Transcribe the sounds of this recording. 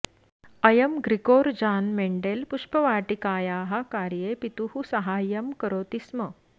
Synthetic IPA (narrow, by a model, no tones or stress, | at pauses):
ɐjɐmɡɾikoːɾd͡ʑaːnmeɳɖelpuʂpəʋaːʈikaːjaːɦakaːɾjepit̪uhusɐɦaːjɐmkəɾoːt̪ismə